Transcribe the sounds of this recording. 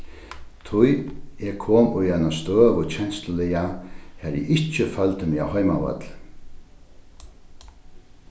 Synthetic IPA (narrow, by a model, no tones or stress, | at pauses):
t̪ʰʊjɛkʰoːmʊjajnast̪øːʋʊt͡ʃʰɛnst̪əlɪjahɛɾjɛ̰ʔɪht͡ʃəfœlt̪əmɪahɔjma̰vœ̰t̪l